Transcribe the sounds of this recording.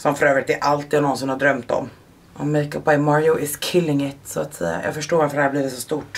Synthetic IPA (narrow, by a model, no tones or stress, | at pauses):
sɔmfœɾøːvɾɪt̪ɛʔalt̪iːd̪anɔnsɪnhaɖɾœmt̪ɔ̰m | ʔɔmekɔp̚bajmɑɾjɔʔɪskʰɪlːɪŋɪt̪sɔa̰t̪sɛ̰a̰jɑ̰ɡfœʂʈoːɾvaɾfəd̪ɛhæːbliːvɪt̪sɔst̪uʈ